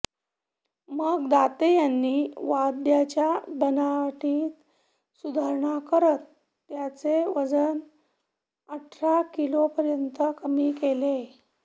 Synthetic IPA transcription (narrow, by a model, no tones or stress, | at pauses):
məɡd̪at̪ejanːiːʋad̪jat͡ɕjabənaʈʰiːt̪ | sud̪ʱaɾɳakəɾət̪ː | jat͡seʋəd͡zən | əʈʰɾakilopəɾjənt̪əkəmiːkele